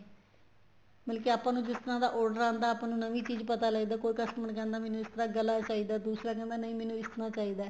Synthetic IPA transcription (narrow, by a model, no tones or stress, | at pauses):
bəlkɪaːpãːnũːd͡ʒɪst̪əɾãːd̪aːʔɔːɾɖəɾãːnd̪aːpãːnũːnəʋiːt͡ʃiːzpət̪aːlaɡiːd̪aːkoːikəsʈəməɳkɛ̃ːnd̪aːmɛːnũːɪst̪əɾãːɡəlaːt͡ʃaːiːd̪aːd̪uːsɾaːk̬ɛ̃ːnd̪aːnəĩːmɛːnũːɪst̪əɾaːt͡ʃaːiːd̪aː